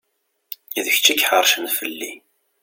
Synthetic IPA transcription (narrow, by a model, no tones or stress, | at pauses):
iðəçt͡ʃːikːħəɾˤʃənfəlːi